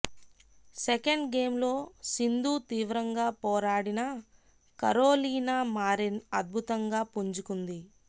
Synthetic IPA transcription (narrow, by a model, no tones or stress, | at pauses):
sɛkɐɳɖɡe̞ːmlo̞ːsind̪uːt̪iːʋɾɐŋɡaːpɔːɾaːɽinɐ | kɐɾoːliːnaːmaːɾinɐd̪̚bʱut̪ɐŋɡaːpuɲt͡ʃukund̪i